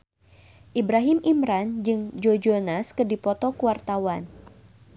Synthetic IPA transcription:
ʔibɾaɦimʔimɾand͡ʒɨŋd͡ʒod͡ʒonaskɨrdipɔt̪ɔkuwart̪awan

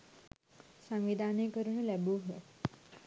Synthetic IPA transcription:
sə̃ŋʋid̪ʱanekəɾuɳlɛbuɦe

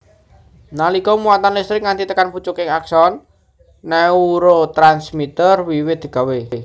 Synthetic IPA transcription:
nalikɔmuat̪anlist̪ɾɪk̚ŋant̪it̪əkanput͡ʃukɪŋaksɔnː | ɛuɾot̪ɾansmit̪ərwiwɪt̪̚ɡ̥a̤we

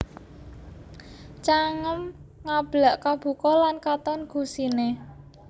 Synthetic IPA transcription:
t͡ʃaŋəmŋab̥laʔkab̥ṳkɔlankat̪ɔnɡ̥ṳsine

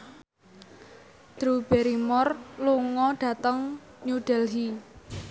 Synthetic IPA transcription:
d̪̥ɾub̥eɾimɔrluŋɔɖ̥ä̤t̪əŋ | ɲuɖ̥ɛlɦi

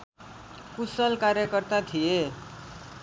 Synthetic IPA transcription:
kusʌlkaɾjʌkʌrt̪at̪ʰije

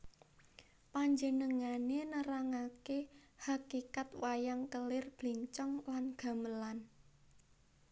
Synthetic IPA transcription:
paɲd͡ʒənəŋanenəɾaŋakehakikat̪wajaŋkəlɪrb̥liɲt͡ʃɔŋlanɡ̥a̤məlan

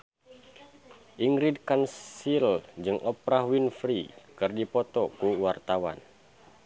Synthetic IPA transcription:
ʔiŋɡɾid̚kansild͡ʒɨŋʔɔpɾaɦwinfɾikɨrdipɔt̪ɔkuwart̪awa̰n

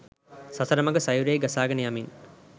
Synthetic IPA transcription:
sɐsɐɾɐmɐɡəsajuɾejɡɐsaːɡɐnijamin

